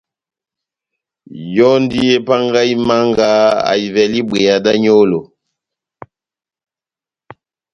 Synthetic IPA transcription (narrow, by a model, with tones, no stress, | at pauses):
jɔ˦n˦di˦je˦pa˦ŋɡa˦i˦ma˦ŋɡa˦a̰˨i˨vɛ˨li˦bwe˨ja˨da˦ɲo˦lo˨